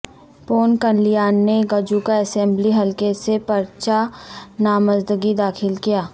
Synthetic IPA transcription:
poːnkɐnlijaːnːeɡɐd͡ʒukaɛsɛ̃mbliɦɐlkesepɐɾt͡ʃanaːməzd̪əɡid̪aːxʰɪlkijaː

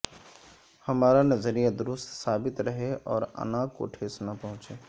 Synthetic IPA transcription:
hɐmaːɾanəzəɾijad̪ʊɾʊst̪saːbɪt̪ɾəɦeʔɔːɾə̰nãko̰ʈʰeːsnapəɦʊ̃t͡ʃeː

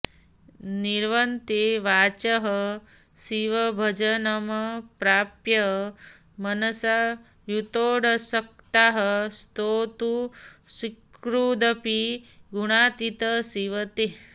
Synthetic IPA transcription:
niɾʋɐnt̪eʋaːt͡ʃɐɦə | siʋɐbʱɐd͡ʒɐnɐmɐpɾaːpjɐ | mɐnɐsa | jut̪oːɽɐsɐk̚t̪aɦɐst̪oːt̪usikɾud̪ɐpiɡuɽ̃aːt̪it̪ɐsiʋɐt̪e

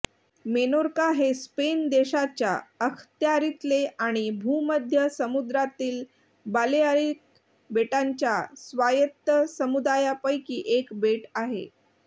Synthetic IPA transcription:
menoɾkaɦespend̪eɕat͡ɕja̰əkʰt̪jaɾit̪leaɽ̃ibʱuməd̪ʱjəsəmud̪ɾat̪iːl | baljaɾik̚ | beʈaɲt͡ɕjasʋajət̪ːəsəmud̪ajapəjkiːʔekbeʈaɦḛ

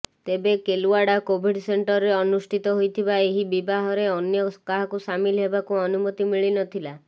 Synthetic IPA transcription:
t̪ebekeluaɽakobʱiɖseɳʈɔɾɾeɔnusʈʰit̪ɔɦojt̪ʰibaeɦibibaɦɔɾeɔnjɔkaɦakusamilɦebakuɔnumɔt̪imiɭinɔt̪ʰila

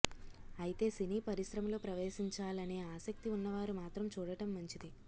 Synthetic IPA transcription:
ɐjit̪e̞ːsiniːpɐɾisɾɐmɐlo̞ːpɾɐʋeːʃiɲt͡ʃaːlɐneːaːsɐk̚t̪iunːɐʋaːɾumaːt̪ɾɐmt͡ʃuːɽɐʈɐmːɐɲt͡ʃid̪i

